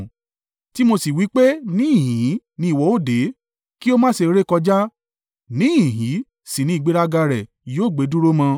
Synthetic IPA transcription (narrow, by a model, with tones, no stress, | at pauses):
ti˨˦mo˧si˨wi˨˦k͡pe˦nĩ˦ĩ˦˨ɦĩ˨˦ | nĩ˧i˨wɔ˨˧˦o˦˨de˨˦ | ki˦o˦mãː˦ʃe˧ɾe˦kɔ˧d͡ʒa˦ | nĩ˦ĩ˨ɦĩ˨˦ | sĩ˨nĩ˦i˨ɡ͡be˦ɾa˧ɡa˧ɾɛ˨ | joː˦˨ɡ͡be˨˦dũ˦ɾo˦mã˧